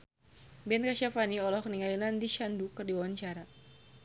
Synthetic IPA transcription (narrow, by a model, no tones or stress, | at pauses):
bɛnkaʃafaniɔlɔhkəniŋailandiʃandukɨrdiwawaɲt͡ʃaɾa